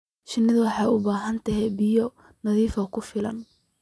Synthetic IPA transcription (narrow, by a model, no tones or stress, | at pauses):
ʃɪnːɪðʊwɑħɑʊbaːɦɐnt̪ʰɐɦɛbɪjɔ | nɐðiːfɐkʰʊfɪlɐ̰n